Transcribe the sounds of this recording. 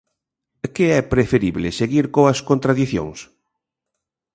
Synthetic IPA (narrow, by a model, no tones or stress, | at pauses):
kɪɛpɾefeɾiβlɪseɣiɾkoɐskont̪ɾaðiθjõ̰ŋs